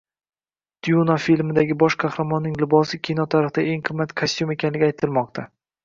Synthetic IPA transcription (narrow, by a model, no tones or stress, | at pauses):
d̪̥junafilmɪd̪aɡʲɪbɒʃqʰɑhɾamɒnːɪŋlɪbɒsɪkʲʰinɒt̪ʰaɾɨχd̪ae̞ŋqʰɨmːat̪kʰasʲt̪jume̞kʲanlɪɡʲajt̪ʰɪlmɒqt̪ʰa